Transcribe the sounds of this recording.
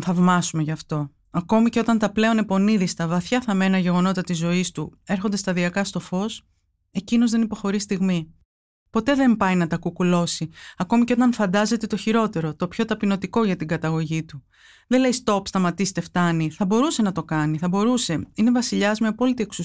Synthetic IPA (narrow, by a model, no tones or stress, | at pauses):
θɐvmɐsume̞ʝɐft̪o̞ | ɐko̞mice̞o̞t̪ɐnt̪ɐple̞o̞ne̞po̞niðist̪ɐvɐθçɐθɐmenɐʝe̞ɣo̞no̞t̪ɐt̪izo̞ist̪ue̞ɾxo̞nd̪e̞st̪ɐðiɐkɐst̪o̞fo̞s | e̞cino̞zðe̞nipo̞xo̞ɾist̪iɣmi | po̞t̪e̞ðe̞mpɐjnɐt̪ɐkukulo̞siɐko̞miceo̞t̪ɐɱfɐnd̪ɐze̞t̪e̞t̪o̞çiɾo̞t̪e̞ɾo̞t̪o̞pço̞t̪ɐpino̞t̪iko̞ʝɐt̪iŋɡɐt̪ɐɣo̞ʝit̪u | ðe̞le̞jist̪o̞pst̪ɐmɐt̪ist̪eft̪ɐniθɐbo̞ɾuse̞nɐt̪o̞kɐniθɐbo̞ɾuse̞ine̞vɐsiʎɐzmeɐpo̞lit̪ie̞ksu